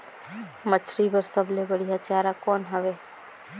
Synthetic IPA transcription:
mət͡ʃʰɾibəɾsəblebəɽijat͡ʃaːɾakɔːnɦəʋeː

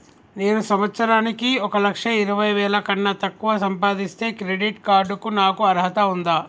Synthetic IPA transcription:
ne̞ːnusɐmɐt̪sɐɾaːnikiɔkɐlɐkʂɐiɾɐʋɐjʋɛːlɐkɐɳːɐt̪ɐkːuʋaːsɐmpaːd̪ist̪e̞ːkɾeɖiʈkaːɾɖukunaːkuɐɾɦɐt̪ɐund̪aː

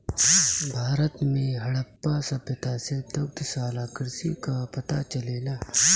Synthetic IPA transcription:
bʱaːɾət̪mẽɦɐɽɐpːasɐbjɐt̪aːsed̪ɐk̚t̪saːlaːkɪɾsikapɐt̪at͡ʃɐleːlaː

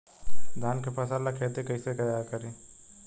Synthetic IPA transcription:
d̪ʱaːnkepɐsalakʰet̪ekəiseɡəjakəɾi

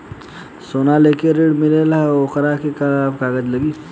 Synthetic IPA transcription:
soːnalekeɾeɽmɪlelaɦokəɾakekalabkaːɡəd͡ʒləɡiː

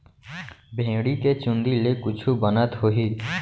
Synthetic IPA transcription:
bʱẽːɽiket͡ʃʊ̃nd̪ilekʊt͡ʃʰubənət̪ɦoɦiː

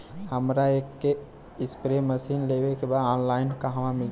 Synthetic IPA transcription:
həmɾaeːkːe | ɪspɾeməsiːnlewekebaːd̪aːnlaːɪnkaɦaʋãmɪl

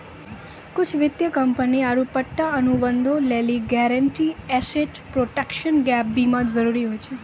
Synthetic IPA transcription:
kʊt͡ʃʰʋɪd̪jəkəmpəniaɾupəʈːaənubənd̪ʱõleliɡɛɾəɳʈiɛseʈ | pɾoʈekʃənɡɛp̚bimãd͡ʒd͡ʒəɾuɾiɦojt͡ʃʰe

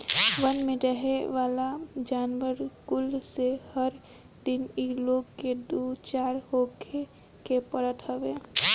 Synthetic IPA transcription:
ʋənmẽɾəɦeʋaːlad͡ʒaːnʋəɾkʊlsehəɾ | d̪iniloːɡked̪ut͡ʃaːɾɦokʰe | kepəɾət̪ɦəʋe

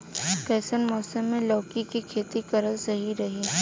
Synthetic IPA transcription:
kɛːsənmɔːsəmːẽlɔːkikikʰeːt̪ikɐɾəlsɐɦiɾɐɦiː

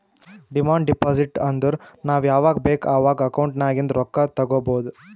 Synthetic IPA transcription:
ɖimaːɳɖɖipaːsiʈɐnd̪ɐɾnaːʋjaːʋaːɡɐbeːkaːʋaːɡɐɐkɐwɳʈnaːɡind̪ɾɔkːɐt̪ɐɡoːboːd̪u

